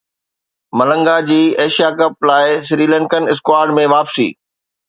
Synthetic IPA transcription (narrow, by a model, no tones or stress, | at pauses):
mɐlə̃ŋɡad͡ʑiːeːʃijakɐp̚laːɪsɾiːlə̃ŋkənɪskwaːɾɖmẽʋaːpsḭː